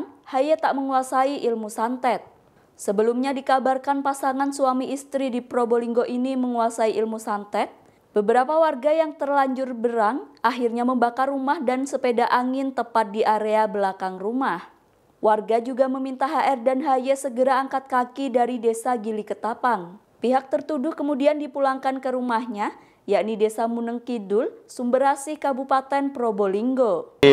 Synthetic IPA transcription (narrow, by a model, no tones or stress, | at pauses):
nhajɛt̪aʔməŋuasaiʔilmusant̪ɛt̪̚ | səbəlumɲadikabarkanpasaŋansuamiʔist̪ɾidipɾoboliŋɡoʔiniməŋuasaiʔilmusant̪ɛt̪̚ | b̥əbəɾapawarɡajaŋt̪ərlaɲd͡ʒʊrbəɾaŋʔaɦirɲaməmbakarːumahdansəpedaʔaŋɪnt̪əpat̪̚diʔaɾeabəlakaŋrumah | wʔarɡad͡ʒuɡaməmint̪aɦaʔɛrdanɦajasəɡəɾaːŋkat̪̚kakidaɾidesaɡilikət̪apan | piɦak̚t̪ərt̪udʊhkəmudiandipulaŋkankəɾumahɲa | jaʔnidesamunəŋkidʊlsumbəɾasɪhkabupat̪ɛnpɾoboliŋɡo